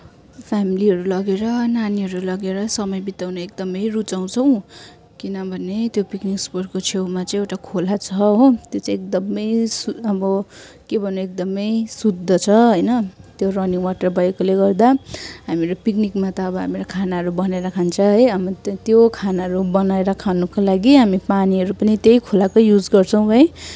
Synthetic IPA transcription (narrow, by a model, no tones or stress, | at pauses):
pʰamiliɦʌɾulʌɡeɾʌnaniɦʌɾulʌɡeɾʌsʌmʌjbit̪awnʌek̚d̪ʌmʌjrut͡saw̃t͡sʰʌw̃ | kinʌbʱʌnet̪jopikniksporkot͡sʰewmat͡saĩewʈakʰolat͡sʰʌɦot̪jot͡saĩek̚d̪ʌmʌjsuʌbʌ | kebʱʌnoek̚d̪ʌmʌjsud̪ʱːʌt͡sʰʌɦʌjnʌt̪joɾʌniŋwaʈʌrbʌjkoleɡʌrd̪aɦamiɾopiknikmat̪ʌːbʌɦamiɾokʰanaɦʌɾubʌnaeɾakʰant͡sʰʌɦʌjʌbʌt̪jokʰanaɦʌɾubʌnaeɾʌkʰanukolaɡiɦamipaniɦʌɾupʌnit̪ejkʰolakojud͡zɡʌrt͡sʰʌw̃bʱʌe